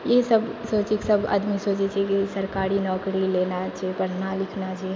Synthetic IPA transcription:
jesəbsoːt͡ʃiksəbə̰d̪misoːt͡ʃet͡ʃʰɛkisɐɾkaːɾinɔːkɾileːnat͡ʃʰɛpəɽnalɪkʰnat͡ʃʰe

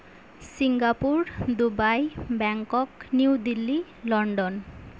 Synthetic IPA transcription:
siŋɡapuɾd̪ubajbɛŋkokniwd̪ilːi | lɔɳɖon

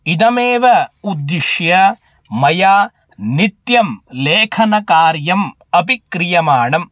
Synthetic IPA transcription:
id̪ɐmeːʋɐud̪ːiʂjɐ | mɐjaː | nit̪jɐmleːkʰɐnɐkaːɾjɐm | ɐbikɾijɐmaːɳɐm

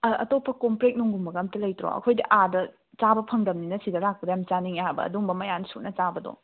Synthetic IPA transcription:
ɐɐtopʰːɐkompɾek̚nuŋɡumbɐɡɐmtɐlɐjtɾo̰ɐ̰kʰojdɐʔadɐ | t͡ʃabɐpʰɐŋdɐmninɐsidɐlak̚pɐdɐjamt͡ʃaniŋaabɐ̰ɐ̰duŋbɐmɐjansunɐt͡ʃabɐdo̰ŋ

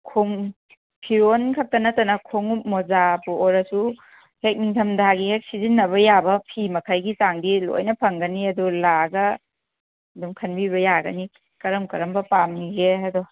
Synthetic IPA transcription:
kʰoŋ | pʰiɾonkʰɐk̚tɐnɐtɐnɐkʰoŋumozapuʔɔɾɐsu | hek̚niŋtʰɐmdaɡihek̚sizinːɐβɐjabɐpʰimɐkʰajɡisaŋdilo̰jnɐpʰɐŋɡɐniɐdulaɡɐ | dumkʰɐnbiβɐjaɡɐni | kɐɾɐmkɐɾɐmbɐpamniɡeɐdɔ

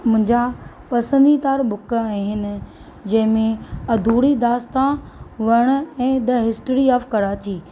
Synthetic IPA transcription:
mʊ̃ɦɪ̃ɲd͡ʑa | pɐsə̃nd̪it̪aːɾbʊkaːɦĩɦɪnɪ̆ | d͡ʑɐ̃ɦɪ̃mẽɐd̪ʱuːɽid̪aːst̪ã | ʋɐɽ̃ɛ̃ːd̪ɐɦɪsʈɾiaːfkɐɾaːt͡ɕiː

